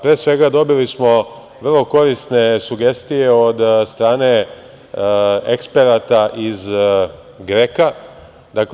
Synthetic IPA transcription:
pɾeːsʋe̞ɡad̪o̞bilismo̞ | ʋr̩lˠo̞ko̞ɾist̪ne̞suɡe̞st̪ije̞od̪st̪ɾaːne̞ | ekspe̞ɾat̪aʔiz | ɡɾeka | d̪ak

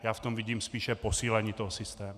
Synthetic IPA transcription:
jaːft̪ɔmviɟiːmspiːʃɛpɔsiːlɛɲiːt̪ɔɦɔsist̪ɛːmu

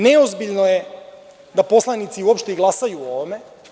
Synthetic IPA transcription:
neozbiʎnoje | d̪apo̞slˠanit̪siuopʃt̪eiɡlˠasajuoʋome̞

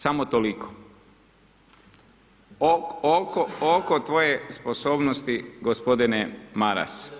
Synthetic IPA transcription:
samot̪olikʰo̥ | ookookot̪ʋo̞jespo̞so̞ːbnost̪iɡospo̞d̪inemaɾa̰s

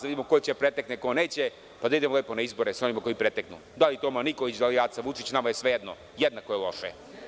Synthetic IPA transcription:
d̪aʋid̪imoko̞jet͡ɕepɾet̪eknekone̞ːt͡ɕe | pad̪aid̪emoleːpo̞naizboɾesao̞nimako̞ipɾet̪eknṵd̪alit̪omanikolit͡ɕd̪aliaːt̪saʋut͡ʃit͡ɕnamajesʋe̞jed̪no | jed̪nakojelˠo̞̰ʃḛ

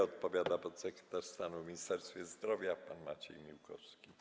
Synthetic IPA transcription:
ɔt̪̚pɔvʲjad̪apɔt̪sɛkɾɛt̪aɾst̪anuvmʲiɲist̪ɛɾst̪fʲjɛzd̪ɾɔvʲjapanmat͡ɕɛ̰jmʲiwkʰɔfskʲi

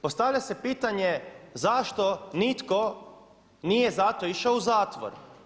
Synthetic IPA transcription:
post̪aʋʎase̞piːt̪aɲezaʃt̪onit̪ko | niːjezat̪o̞iʃaouzaːt̪ʋo̰ɾ

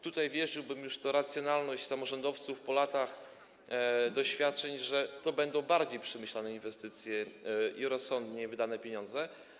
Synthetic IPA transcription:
t̪ut̪ajvʲjɛʐɘwbɘmjuʂt̪ɔɾat̪sʲjɔnalnɔɕt͡ɕsamɔʐɔnd̪ɔft̪sufpɔlat̪ax | d̪ɔɕfʲjat̪̚t͡ʂɛɲʐɛt̪ɔbɛnd̪ɔ̃w̃baɾd͡ʑejpʂɛmɘɕlanɛinvɛst̪ɘt̪sʲjɛʔiɾɔsːɔnd̪ɲɛvɘd̪anɛpʲjeɲɔ̃nd̪zɛ

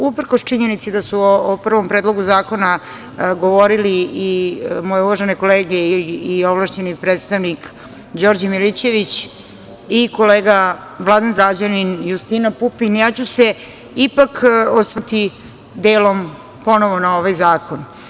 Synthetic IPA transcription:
upr̩kost͡ʃiɲe̞nit̪sid̪asuoːpr̩ʋo̞mpɾeːd̪lˠo̞ɡuzaːko̞na | ɡo̞ʋo̞ɾiliimojeuʋaʒeneko̞leːɡeiioʋlaʃt͡ɕe̞nipɾet̪st̪aʋnik | d͡ʑo̞ɾd͡ʑmilit͡ɕe̞ʋit͡ɕ | iko̞leːɡa | ʋlˠad̪anzad͡ʑaninjust̪inapupinjaːt͡ɕuse | ipakosʋt̪i | d̪eːlo̞m | po̞no̞ʋo̞nao̞ʋajzaːko̞n

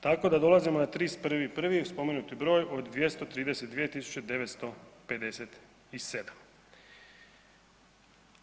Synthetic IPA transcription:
t̪ako̞d̪ad̪o̞lˠazimo̞nat̪ɾiːspr̩ʋipr̩ʋispo̞menut̪ibɾo̞ːjo̞d̪d̪ʋje̞st̪o̞t̪ɾiːd̪e̞set̪̚d̪ʋijet̪isu̥t͡ɕe̞d̪e̞ʋet̪st̪o̞pe̞d̪e̞set̪ | ise̞d̪am

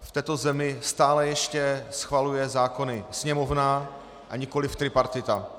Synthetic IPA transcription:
ft̪ɛːt̪o̞zɛmɪst̪aːlɛjɛʃcɛsxvalujɛzaːko̞nɪsɲɛmovna | ʔaɲɪko̞lɪft̪ɾɪpaɾt̪ɪt̪a

